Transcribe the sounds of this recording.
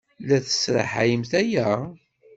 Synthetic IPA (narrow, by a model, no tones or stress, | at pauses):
læθə̥sɾˤə̰ħajəmθæjæ